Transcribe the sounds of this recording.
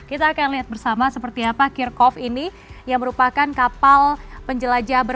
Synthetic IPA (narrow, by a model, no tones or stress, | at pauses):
kit̪aːkanliɦat̪̚bərsamasəpərt̪iapakirkɔfini | jaŋməɾupakankapalpəɲd͡ʒəlad͡ʒabər